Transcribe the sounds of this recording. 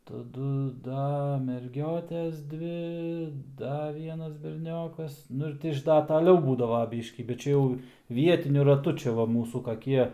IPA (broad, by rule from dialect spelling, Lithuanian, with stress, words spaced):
tɐˈdʊ ˈdɐ mʲɛrʲˈɡʲoːtʲɛs ˈdʲʋʲɪ ˈdɐ ˈʋʲiɛnɐs bʲɛrʲˈnʲoːkɐs ˈnʊ ɪr ˈtʲɪ ɪʃ ˈdɐ tɐˈlʲɛʊ ˈbuːdɐʋɐ ˈbʲiːʃʲkʲiː bʲɛt ˈt͡ʃʲɛ jɛʊ ˈʋʲiɛtʲɪnʲʊ rɐˈtʊ ˈt͡ʃʲɛ ʋɐ ˈmuːsuː kɐˈkʲiɛ